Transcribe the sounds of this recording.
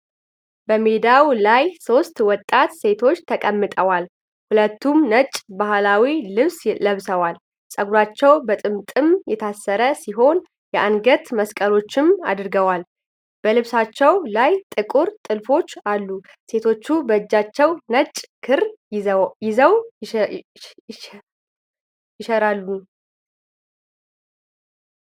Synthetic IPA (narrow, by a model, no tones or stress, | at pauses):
b̥əmed̪awlajso̞st̪wɔt̪ʼːat̪se̞t̪ʰo̞t͡ʃːt̪ʰəkʼəmːɨt̪ʼəwal | hulət̪ːumnət͡ʃʼbahlawilɨβsləβsəwal | sʼəɡuɾat͡ʃːɛwbət̪ʼɨmt̪ʼɨmjɛt̪ʰasːəɾəsiɦo̞n | jɛʔanɡət̪məskʼəlo̞t͡ʃːɪma̰d̪ɾɡəwal | b̥əlɨβsat͡ʃːɛwlajt̪ʼɨkʼuɾt̪ʼɨlfo̞t͡ʃːalːu | se̞t̪ʰo̞t͡ʃːubəd͡ʒːat͡ʃːɛwnət͡ʃʼkʰɨɾ | jɪzəw | jɪʃɛɾalːu